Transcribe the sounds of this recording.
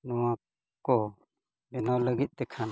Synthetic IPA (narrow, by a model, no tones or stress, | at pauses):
nɔwa | kɔ | bɛnawləɡit̪̚ˀt̪ɛkʰan